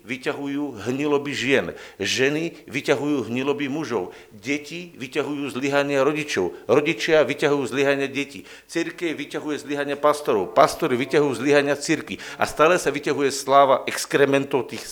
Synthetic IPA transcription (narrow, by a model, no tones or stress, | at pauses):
ʋicaɦujuːɦɲilɔbiʒɪɛnʒɛniʋicaɦujuːɦɲilɔbimuʒɔʊ | ɟɛciʋicaɦujuːzliɦaɲɪaɾɔɟit͡ʃɔʊɾɔɟit͡ʃɪaʋicaɦujuːzliɦaɲɪaɟɛcḭː | t͡siɾkɛwʋicaɦujɛzliɦaɲɪapast̪ɔɾɔʊpast̪ɔɾiʋicaɦujuːzliɦaɲɪat͡siɾkʋiʔa̰st̪aːlɛsaʋicaɦujɛslaːʋaʔɛkskɾɛmɛnt̪ɔʊt̪iːx